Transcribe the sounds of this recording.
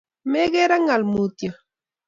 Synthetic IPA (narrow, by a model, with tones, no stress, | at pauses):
meɣe˦ɾa˦ŋa˨lmut̪jo